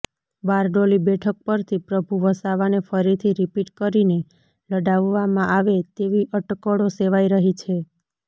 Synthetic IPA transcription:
baɾɖolibɛʈʰək̚pəɾt̪ʰipɾəbʱuʋəsaʋanefəɾit̪ʰiɾipiʈkəɾine | ləɖaʋːamãʔaʋet̪eʋiʔəʈkəɽoseʋaiɾəɦit͡ʃʰe

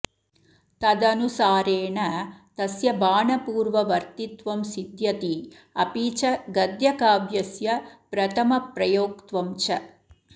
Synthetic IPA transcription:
t̪ɐd̪ɐnusaːɾeːɳɐt̪ɐsjɐbaːɳɐpuːɾʋɐʋɐɾt̪it̪ʋɐmsid̪jɐt̪i | ɐpiːt͡ʃɐɡɐd̪jɐkaːbjɐsjɐpɾɐt̪ʰɐmɐpɾɐjoːkt̪ʋɐmt͡ʃɐ

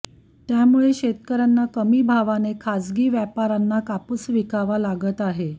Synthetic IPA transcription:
t̪jamuɭeɕet̪kəɾanːakəmiːbʱaʋanekʰad͡zɡiːʋjapaɾanːakapusʋikaʋalaɡət̪aɦe

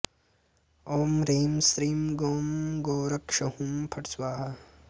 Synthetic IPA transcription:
oːmɾeːmsɾiːmɡoːmɡoːɾɐkʂɐhumpʰɐʈswaːɦɐ

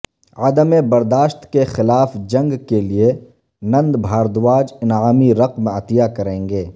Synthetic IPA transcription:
aːd̪əmebɐɾd̪aːʃt̪kexɪlaːfd͡ʒɐ̃ŋɡkelie | nɐ̃nd̪bʱaːɾd̪waːd͡ʒɪnaːmiɾɐqmɐt̪jakɐɾẽːŋɡeː

